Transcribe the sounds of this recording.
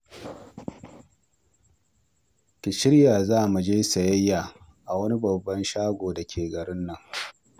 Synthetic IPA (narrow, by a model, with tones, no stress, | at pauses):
kʲɪ˨ʃɪ˦ɽjaː˨zaː˦mu˨d͡ʒeː˦sɐ˨jɐ˦jːaː˨ | ʔa˨wɐ˦ni˦bɐ˨bːɐ˦nʃaː˦ɡʷoː˨da˨kʲʰeː˨ɡɐ˨ɽɪ˦nːɐ˨ŋ